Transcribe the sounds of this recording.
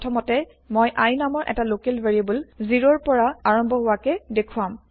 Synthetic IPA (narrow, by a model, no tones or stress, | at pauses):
tʰɔmɔtɛ | mojʔajnamɔɹʔɛ̰talokelveɹiabɔlziɹɔɹpɔɹaaɹɔmbʱɔɦʊwakɛdekʰuam